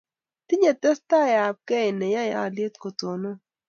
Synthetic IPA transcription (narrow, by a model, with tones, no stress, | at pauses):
t̪i˦ɲe˨t̪ɛ˦st̪a˦˨ja˨p̚kɛ˦ɪ˨nɛ˨ja˦ja̰˦˨lje˦t̪ko˨t̪o˨no˦